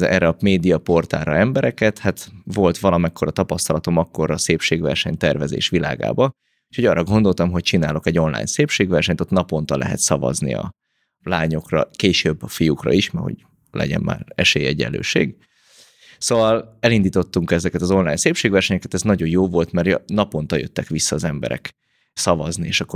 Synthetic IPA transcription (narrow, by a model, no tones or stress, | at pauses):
ɛ̰ːɾɛɒmeːd̪ijɒpo̞rt̪a̰ːɾɒɛmbɛɾɛkɛt̪hat̪vo̞lt̪ʋɒlɒmɛkʰːo̞ɾɒt̪ɒpɒst̪ɒlɒt̪o̞mɒkːo̞ɾɒːseːpʃeːɡvɛ̰rʃɛɲt̪ɛrvɛzḛːʃʋila̰ːɡa̰ːbɒ | uʃhoɟɒːrɒɡo̞nd̪o̞lt̪ɒmɦo̞c̚t͡ʃinaːlo̞kɛɟo̞nla̰ːjɲseːpʃeːɡʋɛrʃɛɲt̪ot̪nɒpo̞nt̪ɒlʔɛ̰ɦɛ̰t̪sɒvɒ̰znḭɒ̰ | laːɲo̞krɒ̰keːʃøbːɒfijukrɒ̰iʃmɛho̰ɟ | lɛ̰ɟɛ̰mma̰ːrɛʃeːjɛɟɛ̰lːø̰ːʃḛːɡ | soːvɒlɛlind̪iːt̪o̞t̪ːuŋkɛzɛkɛt̪ɒzo̞nlaːɲseːpʃeːɡvʋɛrʃɛɲɛkɛt̪ɛznɒɟo̞joːvo̞lt̪mɛrjnɒpo̞n̪t̪ɒjøt̪ːɛkʋisːɒːzɛmbɛ̰ɾɛ̰k | sɒvɒznieːʃɒkːo